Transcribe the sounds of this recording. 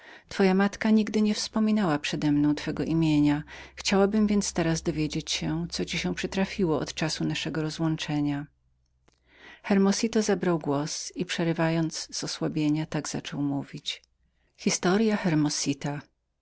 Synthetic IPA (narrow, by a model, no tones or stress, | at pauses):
t̪fɔjamat̪kaɲiɡd̪ɘɲɛfspɔmʲinawapʂɛd̪ɛmnɔ̃w̃t̪fɛɡɔʔimʲjeɲaxt͡ɕawabɘmvʲjɛnt̪st̪ɛɾazd̪ɔvʲjed͡ʑet͡ɕɕɛt̪sɔt͡ɕiɕɛpʂɘt̪ɾafʲiwɔɔ̰t̪t͡ʂasunaʂɛɡɔɾɔzwɔnt͡ʂɛɲa | xɛɾmɔsʲit̪ɔzabɾawɡwɔsipʂɛɾɘvajɔnd̪zz̥ɔswabʲjeɲat̪aɡz̥a̰t͡ʂɔwmuvʲit͡ɕ | xʲist̪ɔɾjaxɛɾmɔsʲit̪a